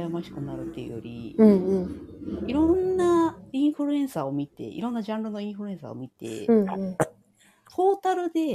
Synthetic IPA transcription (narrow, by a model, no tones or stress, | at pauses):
jamaɕi̥kɯnaɾɯ̟t̪ːejɯ̰jo̰ɾʲḭɯ̃iɾõ̞nːaĩɰ̃ɸɯ̟ɾɯ̟ẽ̞ɰ̃sao̞mʲit̪e̞̰ḭɾõ̞nːad͡ʑãnɾɯno̞ĩɸɯɾɯ̟ẽ̞ɰ̃sa̰o̞̰mʲit̪ẽ̞̰ | t̪ʰo̞ːt̪aɾɯ̟d̪e̞